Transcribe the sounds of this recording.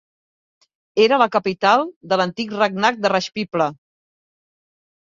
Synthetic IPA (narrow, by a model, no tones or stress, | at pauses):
eɾələkəpit̪alˠd̪ələnt̪ikrəɡ̚nak̚d̪ərəʃpiplə